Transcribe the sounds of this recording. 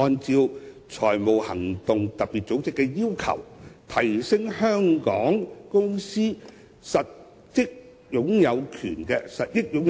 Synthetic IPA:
ɔː˧nt͡siː˧w | t͡ʃʰɔː˨˩jmo˨˩whɐ˨˩ŋt̪ʊ˨ŋt̪ɐ˨t̚piː˨t̚t͡so˨˥wt͡sɪ˨˥kːɛ˧jiː˥wkʰɐ̰˨˩wt̪ʰɐ˨˩jsɪ˥ŋhœː˥ŋkɔː˨˥ŋkʊ˥ŋsiː˥ | sɐ˨t̚ | jɪ˥k̚ | jʊ˨˥ŋjɐ˨˧wkʰy̰ː˨˩nkɛː˧sɐ˨t̚jɪ˥k̚jʊ˨˥ŋ

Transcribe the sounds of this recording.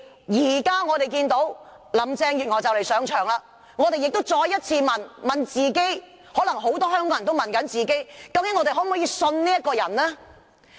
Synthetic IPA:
jiː˨˩kaː˥ŋɔː˨˧t̪e˨˩jk̬iː˧nt̪o˨˥w | lɐ˨˩mt͡sɛː˧ŋjyː˨t̚ŋɔː˨˩jt͡sɐ˨wle˨˩jsœː˨˥ŋt͡ʃʰœː˨˩ŋlaː˨˧ | ŋɔː˨˧t̪e˨jɪ˨k̚t̪o˥wt͡sɔː˧jːɐ˥t̚t͡sʰiː˧mɐ˨˩nmɐ˨nt͡siː˨ke˥j | hɔː˨˥lɐ˨˩ŋɦo˨˥wt̪ɔː˥hœː˥ŋkɔː˧jɐ˨˩nt̪o˥wmɐ˨˩nkɐ˨˥nt͡siː˨ke˥jkɐ˧wkɪ˨˥ŋːɔ˧t̪e˨jɦɔː˨˥m˨ɔ˨˥jiː˨˧sɵ˧nniː˥jɐ˥t̚kɔː˧jɐ˨˩nlɛː˥

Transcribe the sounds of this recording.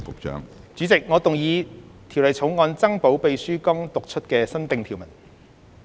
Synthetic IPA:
pʊ˨k̚t͡ʃœ̰ː˨˥ŋt͡syː˨˥t͡sɪ˨k̚ŋɔː˨˧t̪ʊ˨˩ŋjiː˨˧t̪ʰi˨˩wlɐ˨jt͡sʰo˨˥wŋɔː˨˧nt͡sɐ˥ŋpo˨˥wpe˨jsyː˥kɔ˥ŋt̪ʊ˨k̚t͡ʃʰɵ˥t̚kɛː˧sɐ˥nt̪ɪ˨˧ŋt̪ʰiː˨˩wmɐ˨˩n

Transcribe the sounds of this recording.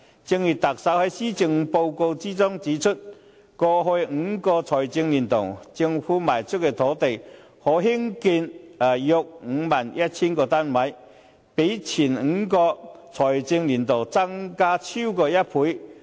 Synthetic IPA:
t͡sɪ˧ŋji˨˩t̚t̪ɐ˨˩k̚sɐ˨˥whɐ˨˥jsiː˥t͡sɪ˧ŋpo˧wko˧wt͡siː˥t͡sʊ˥ŋt͡siː˨˧˥t͡ʃʰɵ˥t̚ | kɔː˧ɦo˧jŋ̩˨˧˦kɔː˧t͡sʰɔː˨˩jt͡sɪ˧ŋliː˨˩nt̪ʊ̰˨˩wt͡sɪ˧ŋfuː˨˥maː˨˩jt͡sʰʊ˥k̚kːɛ˧t̪ʰɔː˨˥t̪e˨j | hɔː˨˥ɦi˥ŋki˧na˨˩jʊ˨˧k̚ŋ̩˨˧maː˨˩njɐ˦˥t̚t͡sʰiː˥nkɔː˧t̪aː˥nmɐ˨˥j | pe˨˥jt͡sʰiː˨˩nŋ̩˨˧˥kɔː˧t͡sʰɔː˨˩jt͡sɪ˧ŋliː˨˩nt̪o˨˩wt͡sɐ˥ŋkaː˥t͡sʰi˥wkɔː˧jɐ˥t̚pʰuː˨˥j

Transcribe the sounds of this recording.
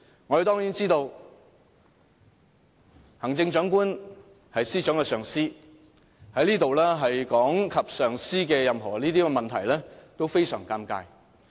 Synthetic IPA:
ŋɔː˨˧ɾe˨t̪ɔː˥ŋji˨˥nt͡siː˥t̪o˧w | hɐ˨˩ŋt͡sɪ˧ŋt͡ʃœː˨˥ŋkuː˥n | hɐ˨jsiː˥t͡ʃœː˨˥ŋkɛ˧sœː˨˩ŋsiː˥ | hɐ˨˥jliː˥t̪o˨wlɛː˥ɦɐ˨jkɔː˨˥ŋkʰɐ˨p̚sœː˨ŋsiː˥kɛː˧jɐ˨mɦɔː˨˩liː˥t̪iː˥kɛ˧mɐ˨nt̪ʰɐ˨˩jlɛː˥t̪o˥wfe˥jsœː˨˩ŋkaː˧mka̰ː˧j

